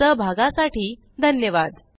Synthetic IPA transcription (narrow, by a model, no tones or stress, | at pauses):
əbʱaɡãsaʈiː | d̪ʱənjəʋad̪